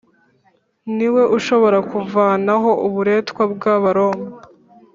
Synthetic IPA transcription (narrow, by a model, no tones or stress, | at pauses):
niwe̞ʔuʃo̞βo̞ɾakuvaːnaɦo̞ʔuβuɾe̞ːtkwabɡaːβaɾo̞ːmba